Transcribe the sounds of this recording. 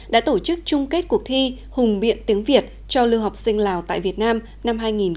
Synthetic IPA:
ɗa̰ː˧˥t̪o˧˩t͡ɕɨ˦˥k̚t͡ɕʊ˧ŋ͡mke˦˥t̚ku˨˩ək̚t̪ʰi˧ | hʊ˨˩ŋ͡mɓḭ˧˨ənt̪i˨˦əŋvi˨˩ət̚ | t͡ɕɔ˧lɨ˧ɦa˨˩wk͡p̚sï˧ŋ̟laː˨˩wt̪a̰ː˧˨jvi˨˩ət̚naː˧m | na˧mɦaː˧jŋi˨˩n

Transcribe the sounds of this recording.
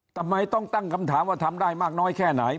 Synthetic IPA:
t̪ʰa˧mːa˧jt̪ɔ˥˩ŋt̪a˥˩ŋkʰa˧mt̪ʰaː˩˦mwaː˧˥˩t̪ʰa˧mdaː˥˩jmaː˥˩k̚nɔː˦˥jkʰɛː˥˩na˩˦j

